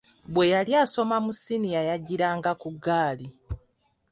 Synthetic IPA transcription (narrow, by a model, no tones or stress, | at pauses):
βwe̞jaljaːso̞mamusinijajaɟiɾaːŋɡakuɡːaːli